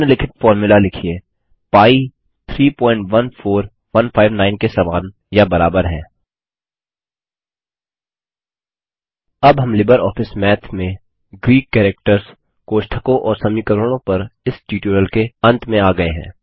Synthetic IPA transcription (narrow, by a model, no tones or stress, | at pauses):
nelɪkʰɪʈ̪fɔːɾmjʊlalɪkʰieː | paːi | t̪ʰɾiːpɔ̃ːɪ̃ɳʈʋɐnfʰoːɾ | ʋɐnpʰaːɪʋnaːɪnkesɐmaːn | jabɐɾaːbəɾɦɛ̰̃ː | ɐbɦɐmlɪbəɾɔːfʰɪsmɛːt̪ʰmẽ | ɡɾiːkːɛːɾek̚ʈəɾs | koːʃʈ̪ʰəkõʔɔːɾsɐmikəɾəɽ̃õpɐɾɪsʈiːʈjuːɾəlkeɐ̃nt̪mẽaːɡɐeɦɛ̰̃ː